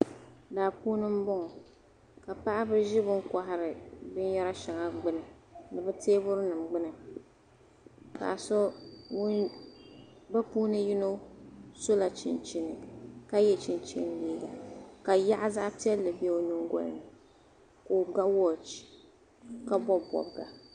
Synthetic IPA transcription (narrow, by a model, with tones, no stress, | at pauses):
daː˨puː˦nɨ˦m̩˦bɔ˦ŋɔ˨ | ka˨pa˦ʔa˦bɨ˦ʒɪ˦bɨ˦ŋ˦ka˨ɦɪ˨ɾɨ˨bɨ˦n˦ja˦ɾa˦ʃa˨ŋa˨ɡ͡bɨ˦nɨ˨ | nɨ˨bɨ˦teː˦bʊ˦ɾɨ˦nɨ˨mɡ͡bɨ˦nɨ˨ | ka̰˨so˦w | ba˦puː˦nɨ˦ji˦no˦so˦la˨t͡ʃɪ̰˨nt͡ʃi˦nɨ˨ka˦jɛ˦t͡ʃi˨nt͡ʃḭ˦n˦liː˦ɡa˨ka˨ja˦ʔa˦za˦ʔpi˦ɛ˦lːɨ˨bi˦ɛ˦o˦nu˦ŋ˦ɡɔ̰˦lɨ̰˨nɨ˨ | ko˨ɡ͡ba˦wɔ˨t͡ʃi̥˦˨ | ka˦bɔ˦bɔ̰˨bɡa̰˨